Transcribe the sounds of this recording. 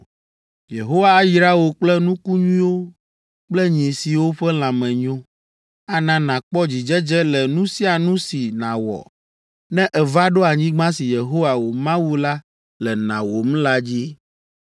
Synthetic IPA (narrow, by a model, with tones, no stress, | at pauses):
je˨ɦo˦wa˦ji˨ɾa˦wo˨k͡plɛ˦nũ˦ku˦ɲũ˦ĩ˦wo˦ | k͡plɛ˦ɲ˨i˨si˨wo˦ɸɛ˦l̃ã˨mɛ̃˨ɲõ˦ | a˦nã˨nã˨k͡pɔ˦d͡ʑi˨d͡ʒɛ˦d͡ʒɛ˦lɛ˨nũ˦si˦a˨nũ˦si˨nã˨wɔ̰˨ | nɛ̃˦ʔɛ˨va˦ɖo˦a˨ɲĩ˦ɡ͡bã˦si˨je˨ɦo˦wa˨wo˨mã˦wu˦la˦ | lɛ˨nã̰˨wo˨m̃˦la˦d͡ʑi˦